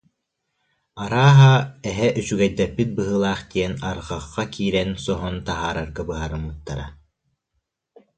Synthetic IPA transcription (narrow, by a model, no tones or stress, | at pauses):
aɾaːɦaɛɦɛʔysyɡɛjd̪ɛpːit̪̚bɯɦɯːlˠaːχt̪iɛnaɾʁaχːakiːɾɛnsɔɦɔnt̪aɦaːɾaɾɡabɯɦaɾɯmːɯt̪ːaɾa